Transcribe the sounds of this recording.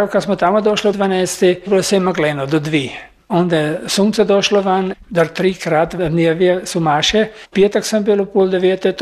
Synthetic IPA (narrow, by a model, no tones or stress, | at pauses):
wkasmɔt̪amod̪ɔʃlid̪ʋanɛjst̪ibilɔsɛmaɡlɛːnɔd̪ɔd̪ʋiː | ɔnd̪ajɛsuːntsɛd̪ɔːʃlɔʋand̪aɾt̪ɾiːkɾat̪d̪nʲjeʋjɛsumaːʃɛpjet̪əksəmbilupuld̪ɛʋeːt̪ɛt̪